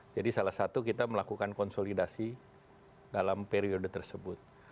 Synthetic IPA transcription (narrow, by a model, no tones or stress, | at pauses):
d͡ʒadisalasat̪ukit̪aməlakukankɔnsolidasi | dalampeɾiodət̪ərsəbʊt̪̚